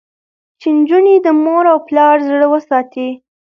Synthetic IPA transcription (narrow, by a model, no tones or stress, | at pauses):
t͡ʃend͡ʒuned̪əmoɾawplɑɾzɽəwəsɑt̪i